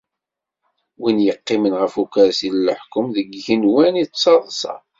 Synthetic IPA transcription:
winjəqːimənʁəfukæɾsillħkʊmðəɡʝinwænit͡sːɑðˤsɑ̰

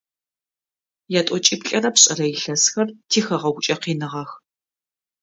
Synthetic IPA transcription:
jaːtʷʼɔt͡ʃʼɪpɬʼɐrɐpɕʼɐrɐjɪɬɐsxɐrtʰiːxɐʁɐɡʷʊt͡ʃʼɐqiːnɨʁɐx

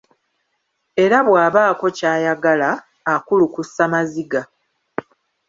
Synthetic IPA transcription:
e̞ɾaβwaːβaːko̞caːjaɡalaː | kulukusːamaziɡa

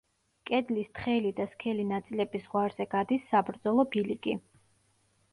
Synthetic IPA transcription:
kʼɛd̪list̪ʰχɛlid̪askʰɛlinat̪sʼilɛbisʁwaɾz̥ɛɡad̪isːabɾd̪zɔlˠɔbiliɡi

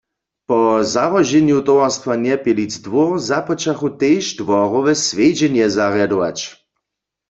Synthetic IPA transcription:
pɔzavɔʒɛnjut̪ɔwaʁst̪ʋanɛpilid͡zd̪ʋɔʁzapɔt͡ʃaxut̪eːʃdʋɔʁɔʋɛsʋed͡ʑɛnjɛzaʁjad̪ɔʋa̰t͡ɕ

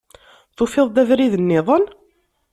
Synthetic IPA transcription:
θufɪðˤd̪ævɾiðənːɪðˤən

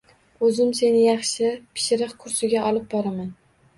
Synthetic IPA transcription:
ɵzɪmse̞nɪjɑχʃɪpʰɪ̥ʃɪɾɨqkʰʊɾsɪɡʲaʔɒlˠɪp̚bɒɾaman

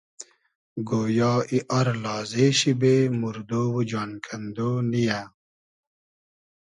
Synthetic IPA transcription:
ɡoːjɑːiʔɐɾlɑːzeːɕibemuɾd̪oːwud͡ʑaːnkʰɐnd̪oːnija

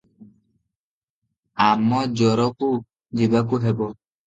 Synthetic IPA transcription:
amːɔd͡ʒɔɾɔku | d͡ʒibakuɦɛbɔ

